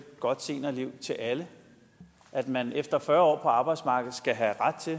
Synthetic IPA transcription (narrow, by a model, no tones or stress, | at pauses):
ɡ̥ɒ̽d̥se̝̰ːnɐliʊ̰t͡sʰe̝ʔælə | ʔæd̥mænefd̥ɐfɶːɐɒ̰ːpʰɒ̽ɑ̈b̥ɑ̈ɪd̥smɑ̈ːɡ̥ð̩ˠsɡ̥æɦæʁad̥̚t͡sʰe̝